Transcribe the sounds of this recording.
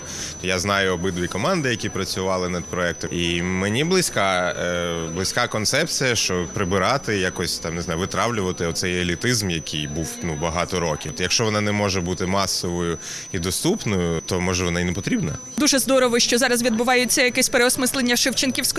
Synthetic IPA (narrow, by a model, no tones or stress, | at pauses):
t̪ɔjaznɑjʊɔbɪd̪ʋʲikɔmɑnd̪ɪjɐkʲipɾɐt͡sʲʊʋɑlˠɪnɐd̪pɾɔɛk̚t̪ɔimenʲiblˠɪsʲkɑ | blˠɪsʲkɑkɔnt̪sɛp̚t͡sʲijɐʃt͡ʃɔpɾɪbɪɾɑt̪ɪjakɔsʲt̪ɑmnɪzɑjʊʋɪt̪ɾɑʋlʲʊʋɐt̪ɪɔt̪sɛjelʲit̪ɪzmjɐkʲijbuwnubɐɦɑt̪ɔɾɔkʲit̪jɐkʃt͡ʃɔʋɔnɑnɛmɔʒɛbut̪ɪmɑsːɔʋɔjʊ | id̪ɔst̪upnɔjʊt̪ɔmɔʒɛʋɔnainɛpɔt̪ɾʲibnɐ | d̪uʒɛzd̪ɔɾɔʋɔʃt͡ʃɔzɑɾɐzʋʲid̪̚bʊʋɑjʊt͡sʲːɐjɐkɛsʲpeɾeɔsmɪslˠenʲːɐʃɪwt͡ʃɪnkʲiwsʲk